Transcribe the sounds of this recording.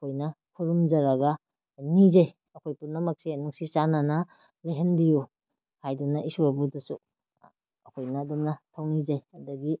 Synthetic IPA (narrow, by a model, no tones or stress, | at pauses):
ɐkʰojnɐ | kʰuɾumd͡ʒɐɾɐɡɐ | nizaj | ɐkʰojpunɐmɐk̚sinuŋsisananɐ | leɦenbiju | hajdunɐʔisuabudɐsu | ɐkʰojnɐːdumnɐtʰawnizajɐdɐɡi